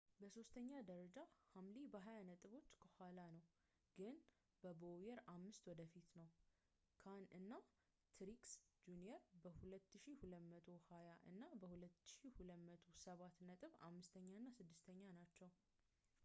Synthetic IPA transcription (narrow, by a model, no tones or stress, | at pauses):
bəso̞st̪ʰəɲːad̪əɾəd͡ʒahamlibəɦajanət̪ʼɨβo̞t͡ʃːkʰəhʷalanəw | ɡ̥ɨn | bəbojɛɾamːɨst̪wɔd̪əfit̪nəw | kʰanɨnːa | t̪ʰɾiksd͡ʒunijɛɾbəhulət̪ːɨʃihulət̪mət̪ʼʰo̞hajaʔɨ̰nːabəhulət̪ːɨ̥ʃihulət̪mət̪ʰosəβat̪nət̪ʼɨβa̰mːɨst̪ʰəɲːanːasɨd̪ːɨst̪ʰəɲːanat͡ʃːɛw